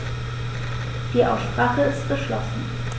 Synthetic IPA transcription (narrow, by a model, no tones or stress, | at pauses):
d̥iːʔaʊsʃpʁ̥aːχəɪstɡ̥əʃlɔsn̩